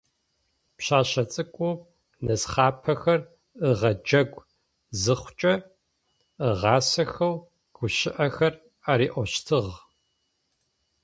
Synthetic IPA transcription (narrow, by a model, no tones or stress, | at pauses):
pɕaːɕɐt͡sʼɨkʷʼu | nɐsχɑːpʰɐxɐr | ɨʁɐd͡ʒɐɡʷ | zɨχʷʊt͡ʃʼɐ | əʁɑːsɐxɐw | ɡ̥ʷʊʃɪʔɐxɐr | aːɾiːʔʷɔɕtʰɨʁ